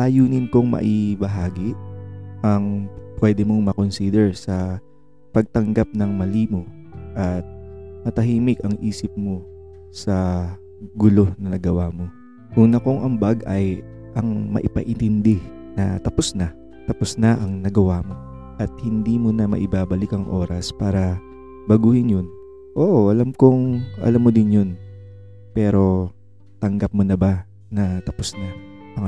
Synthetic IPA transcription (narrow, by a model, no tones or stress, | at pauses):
ʔajuːnɪnkoŋmɐ̰ʔɪbɐɦaːɡɪʔʔɐŋpwɛːd̪ɛmoŋmɐkonsiːd̪ɛɹsɐ | pɐɡ̚t̪ɐŋɡap̚nɐŋmɐliːmo̞ | ʔɐt̪̚mɐt̪ɐɦiːmɪkɐŋʔiːsɪp̚mo̞ | sɐ | ɡʊlo̞nɐnɐɡɐwaːmo̞ | kʊŋnɐkoŋʔɐŋbaɡʔɐj | ʔɐŋmɐ̰ʔɪpɐ̰ʔɪnt̪ɪnd̪ɛnɐ̰t̪ɐposna | t̪ɐposnɐʔɐŋnɐɡɐwaːmo̞ | ʔɐt̪̚hɪnd̪iːmonɐmɐ̰ʔɪbaːbɐlɪkɐŋʔo̞ːɾɐspaːɾɐ | bɐɡuːhɪnjon | ʔoːʔʔɐlɐmkoŋʔɐ̰lamːod̪ɪnjo̞n | pɛːɾo̞ | t̪ɐŋɡɐp̚monɐba | nɐt̪ɐposnɐ | ɐŋ